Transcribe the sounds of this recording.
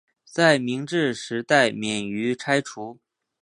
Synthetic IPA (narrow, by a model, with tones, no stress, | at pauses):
t͡sa˥˩ɪmi˧˥ŋʈ͡ʂɻ̩˥˩ʂɻ̩˧˥t̪a˥˩ɪmjɛ˨˩ny˧˥ʈ͡ʂʰa˥ɪʈ͡ʂʰu˧˥